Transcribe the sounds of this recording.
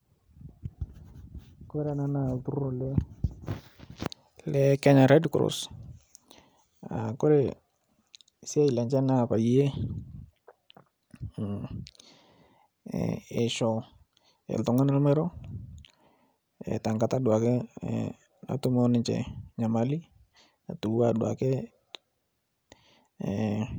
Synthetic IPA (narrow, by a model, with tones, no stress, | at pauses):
ko˦ɾe˨na˦na˦˨ltu˦ɾo˨le˦ | lɛ˦kɛ˦ɲa˨ɾɛ˦dkɾo̰˨s | a̰˨ko˦ɾe˨ | si˦e˦i˨lɛ˨ɲt͡ʃɛ˦na˦˨pa˨ji˦je˦ | ɛ˨ʃɔ˨ | ɛ̰˨ltɔ˨ŋa˦na˦lmɛ˦ɾɔ˦ | ɛ̰˨ta˨ŋɡa˨ta˦dwa˨kɛ˦ | na̰˨tu˦mɔ˦nɪ˨ɲt͡ʃɛ̰˨ɲa˨ma˨li˦ | a˨tu˨wa˨dwa̰˨kɛ˦